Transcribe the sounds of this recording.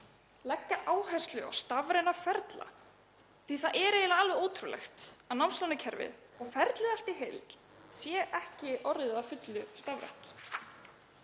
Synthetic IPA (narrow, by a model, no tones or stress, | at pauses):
lɛcːaʔaːwhɛjst̪lʏa̰wst̪avɾɪnafɛɾt̪la̰ | θiθaðʔɛːɾeːjlaalvɛoːwt̪ʰɾulɛ̰xt̪anawmslɔwnɪcʰɛɾvɪ̰ð | ɔɣfɛɾt̪lɪðalt̪iɦejl | sjɛʔɛhcɪʔɔɾɪafʏt̪lʏst̪avɾɛ̰ht̪